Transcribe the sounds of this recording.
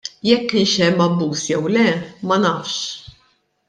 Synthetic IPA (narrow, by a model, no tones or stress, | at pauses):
jɛkːɪnʃɛmːɐbːuːsjɛwlɛmɐnɐfʃ